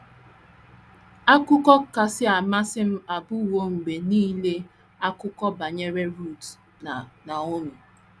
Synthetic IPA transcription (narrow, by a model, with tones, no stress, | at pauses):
a˦kʊ˦kɔ˦ka˨sɪ˦a˨ma˦sɪ˦m̩˦a˨bʊ˦˨wo˦ŋ͡m̩˨ɡ͡be˨niː˦le˦ | a˦kʊ˦kɔ˦ba˨ɲe˦ɾe˦ɾu˦˨t | na˨o˦nu˨